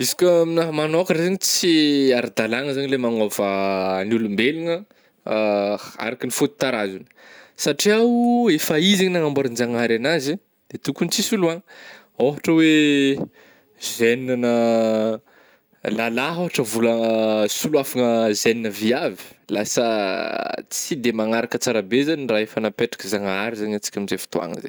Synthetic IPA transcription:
izi̥kəminaɦmanoakəɾezaɲit͡siaɾd̪alaŋəzaɲilemaŋovənulumbeliŋə | a̰ɾakinifut̪u̥t̪aɾazunə̥saʈ͡ʂiawefaiziɲinaŋambaɾind͡ʒaŋaɾanazi | d̪̥et̪ukunit͡sisuluaŋ | oɦaʈ͡ʂəwe | zeninanə | lalaɦoɦaʈ͡ʂəvulasuluafaŋəzeninəviavi̥lasə | t͡sid̪emaŋaɾakət͡saɾabezaɲiraefanapeʈ͡ʂḁkizaŋaɾizaɲat͡si̥kʲamizefi̥t̪oa̰ŋə̰zḛ

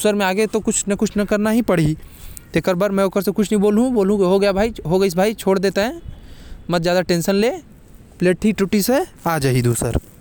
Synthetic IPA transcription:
d̪usəɾmẽaːɡet̪okʊt͡ʃʰnɐkʊt͡ʃʰnɐkɐɾnaɦipɐɽ̤i | t̪eːkəɾbaɾmɛ̃ʊkəɾsekʊt͡ʃʰnɐɦĩboːlɦũboːlũkiɦoɡɐjabʱaːiɦoɡɐis̬bʱaːit͡ʃʰoːɽd̪eːt̪eɦɛ̃ | mɐt̪zjaːd̪aʈẽːnʃənleː | pleːʈʰːiʈuʈiseaːd͡ʒaɦid̪uːsə̰ɾ

